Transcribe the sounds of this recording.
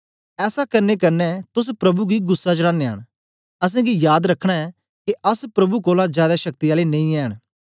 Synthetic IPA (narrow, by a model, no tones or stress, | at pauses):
ɛːsakɐɾnekɐɾnɛt̪ʊs̬pɾɐbuɡiɡʊsːat͡ʃɽãːnea̰ːɽ̃ | ɐs̬ɛ̃ɡijaːd̪ɾɐkʰːɽ̃aɛ | keʔɐspɾɐbukoːlad͡ʒjaːd̪aʃɐk̚t̪ijaːlenẽĩɛːɽ̃